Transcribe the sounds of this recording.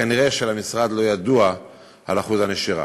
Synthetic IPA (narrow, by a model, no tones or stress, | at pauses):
aniʁeʃelamisʁad̪lo̞jad̪ua | a̰laχuzhane̞ʃiʁa̰